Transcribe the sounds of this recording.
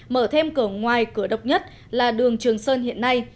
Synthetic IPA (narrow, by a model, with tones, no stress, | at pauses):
məː˧˩t̪ʰe˧mkɨ˧˩əŋwaː˨˩jkɨ˧˩əɗə˨˩wk͡p̚ɲə˦˥t̚ | laː˨˩ɗɨ˨˩əŋt͡ɕɨ˨˩əŋsəː˧nhḭ˧˨ənːa˧j